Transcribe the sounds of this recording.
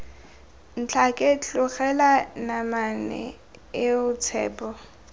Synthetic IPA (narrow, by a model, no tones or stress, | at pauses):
n̩t͡ɬʰakʼɛt͡ɬʊχɛlanamanɛ̰ | ɪʊt͡sʰɛ̰ːpʼɔ